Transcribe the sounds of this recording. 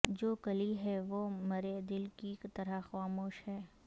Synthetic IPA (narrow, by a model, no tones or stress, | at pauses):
d͡ʒoːkɐliɦɛʋomɐɾed̪ɪlkikt̪ɐɾaxaːmoːʃhɛː